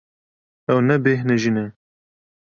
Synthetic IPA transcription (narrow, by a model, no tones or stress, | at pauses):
ɛwnɛbeːɦnɛʒinɛ